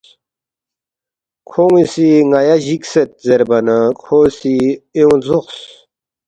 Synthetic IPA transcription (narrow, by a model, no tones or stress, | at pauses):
kʰoŋisiŋajaʑikset̪̚zeɾbɐnakʰoːsieũzuqs